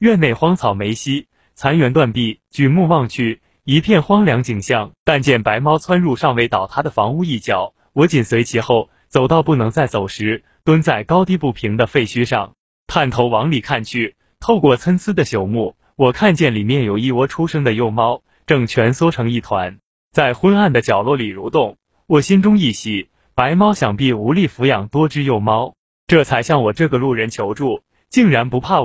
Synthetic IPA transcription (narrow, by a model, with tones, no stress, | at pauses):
ɥɛ˥˧ne˥˩ɪxwɑ˥ŋt͡sʰɑ˨˩ʊme˧˥ɪɕi˥ | t͡sʰa˧˥nɥɛ˧˥nt̪̬wa˥˧npi˥˩t͡ɕy˨˩mu˥˧wɑ˥˧ŋt͡ɕʰy˥˩ | i˧˥pʰjɛ˥˩nxwɑ˥ŋljɑ˧˥ŋt͡ɕi˨˩ŋɕjɑ˥˩ŋt̪a˥˧nt͡ɕjɛ˥˩npa˧˥ɪmɑ˥ʊt͡sʰwa˥nɻu˥˧ʂɑ˥˩ŋwe˧˥ɪt̪ɑ˨˩ʊt̪ʰa˥d̪ə˨fɑ˧˥ŋu˥˧i˥˩t͡ɕjɑ˨˩˦ʊ | wɔ˧˥t͡ɕi˨˩nswe˧˥ɪt͡ɕʰi˧˥xo˥˩ʊ | t͡so˨˩ʊt̪ɑ˥˧ʊpu˥˩nɤ˧˥ŋt͡sa˥˩ɪt͡so˨˩ʊʂɻ̩˧˥ | t̪wə˥nt͡sa˥˩ɪkɑ˥ʊt̪i˥˧pu˥˩pʰi˧˥ŋd̪ə˧fe˥˩ɪt͡ɕʰy˥ʂɑ̰˥˧ŋ | t̪ʰa˥˩nt̪ʰo˧˥ʊwɑ˧˥ŋli˨˩kʰa˥˧nt͡ɕʰy˥˩ | t̪ʰo˥˧ʊkwɔ˥˩t͡sʰə˥nt͡sʰɹ̩˥d̪ə˨ɕjo˨˩ʊmu˥˩ | wɔ˨˩kʰa˥˧nt͡ɕjɛ˥˩nli˨˩mjɛ˥˩njo˨˩ʊi˥˩wɔ˥ʈ͡ʂʰu˥ʂɤ˥ŋd̪ə˨jo˥˩ʊmɑ˥ʊ | ʈ͡ʂɤ˥˩ŋt͡ɕʰɥɛ˧˥nswɔ˥ʈ͡ʂʰɤ˧˥ŋi˥˩t̪ʰwa̰˧˥n | t͡sa˥˩ɪxwə˥na˥˩nd̪ə˩t͡ɕjɑ˨˩ʊlwɔ˥˩li˨˩ɻu˧˥t̪ʊ˥˩ŋ | wɔ˨˩ɕi˥nʈ͡ʂʊ˥ŋi˥˩ɕi˧˥˩ | pa˧˥ɪmɑ˥ʊɕjɑ˨˩ŋpi˥˩u˧˥li˥˩fu˧˥jɑ˨˩ŋt̪wɔ˥ʈ͡ʂɻ̩˥jo˥˩ʊmɑ˥ʊ | ʈ͡ʂɤ˥˩t͡sʰa˧˥ɪɕjɑ˥˩ŋwɔ˨˩ʈ͡ʂɤ˥˩ɡə˩lu˥˩ɻə˧˥nt͡ɕʰjo˧˥ʊʈ͡ʂu˥˩ | t͡ɕi˥˩ŋɻa˧˥npu˧˥pʰa˥˩